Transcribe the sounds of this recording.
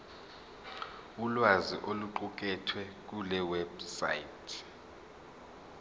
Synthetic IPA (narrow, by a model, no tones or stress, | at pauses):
ulwaziʔoluǃuk̬ʼɛtʰwɛk̬ulɛwɛb̥sa̰jitʰ